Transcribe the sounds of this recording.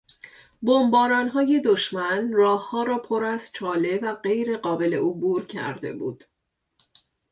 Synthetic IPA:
bombɒːɾɒːnɦɒːje̞d̪o̞ʃmænrɒːhhɒːɾɒːpʰo̞ɾæzt͡ʃʰɒːle̞væɢe̞jɾe̞ɢɒːbe̞le̞ʔobuːɾcʰæ̰ɾd̪e̞̰buːd̪̥

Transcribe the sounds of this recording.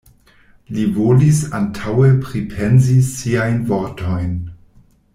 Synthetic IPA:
livolisa̰ntʰawepɾipʰenzisiajnvoɾtʰojn

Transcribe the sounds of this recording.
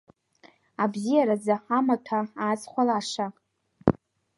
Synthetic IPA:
abzijaɾad͡zaħamatʰaaːzχʷalaʂa

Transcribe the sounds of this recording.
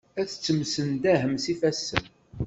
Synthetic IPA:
æθt͡sːəmsənd̪æɦəmsifæsːən

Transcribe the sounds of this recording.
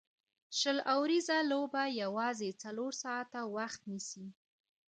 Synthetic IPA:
ʃəlawɾizalobajawɑzet͡saloɾsɑat̪awaxt̪nisi

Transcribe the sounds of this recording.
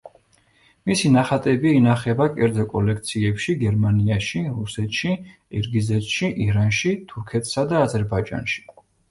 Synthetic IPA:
misinaχat̪ʼɛbiːnaχɛbakʼɛɾd̪zɔkʼɔlɛkʰt̪sʰiɛpʃiɡɛɾmaniaʃiɾusɛt̪ʰʼʃi | ɛɾɡizɛt̪ʃiʔiɾanʃit̪ʰuɾkʰɛt̪ʰʼsad̪aːzɛɾbaid͡ʒa̰nʃi̥

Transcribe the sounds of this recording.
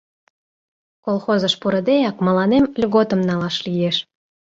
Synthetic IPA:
kolˠxozəʃpuɾə̆d̪ejɑkmə̆lɑnemlʲɣot̪ə̆mnɑlɑʃlijeʃ

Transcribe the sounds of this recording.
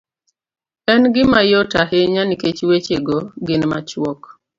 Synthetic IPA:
ɛnɡɪmajotaɦeɲaniket͡ʃwet͡ʃeɡɔɡɪnmat͡ʃwɔk

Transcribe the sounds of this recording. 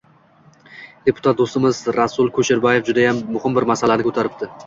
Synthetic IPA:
d̪̥e̞pʰʊt̪ʰat̪̚d̪ost̪ɪmɪzɾasʊlˠkʰɵʃɪɾbaje̞fd͡ʒʊd̪ajamːʊhɪmbɪɾmasalanɪkʰɵt̪ʰaɾɪp̚t̪ɪ

